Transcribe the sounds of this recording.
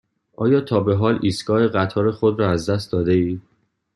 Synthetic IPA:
ʔɒːjɒːt̪ʰɒːbe̞ɦɒːliːsɡɒːheɢæt̪ʰɒːɾe̞xo̞d̪ɾɒːæzd̪æst̪̚d̪ɒːd̪e̞iː

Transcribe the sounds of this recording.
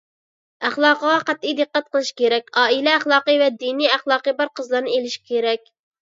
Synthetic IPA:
æχlˠɑːqəʁɑqæt̪ːijd̪ɨqːæt̪̚qəlˠɨʃkʲʰeɾɛkʲɑːilɛæχlˠɑːqɨvɛd̪iniæχlˠɑːqəbɑɾqʰəzlˠɑɾnɨelɪʃi̥kʲʰeɾɛkʲ

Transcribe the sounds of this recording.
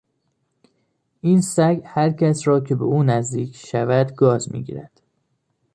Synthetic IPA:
ʔiːnsæɡhæɾcʰæsɾɒːcʰe̞beʔuːnæzd̪iːkʰʃævæd̪ɡɒːzmḭːɟḭːɾæ̰d̪̥

